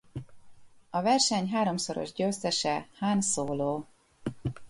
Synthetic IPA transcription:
ɒvɛrʃɛɲɦaːɾo̞mso̞ɾo̰ʒɟøːst̪ɛʃɛhaːnsoːloː

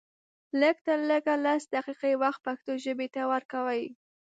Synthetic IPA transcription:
ləɡ̚t̪əɾləɡalasd̪aqiqewaxt̪̚paxt̪oʒəbet̪awəɾkawəj

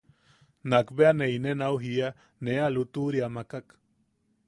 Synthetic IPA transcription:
nakbeaneinenauɦia | nealut̪uɾiamakak

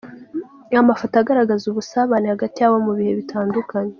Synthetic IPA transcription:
amafataɡaɾaɡazuβusaβanihaɡatijaβomuβihe̞βitʰaːndukʰaɲe

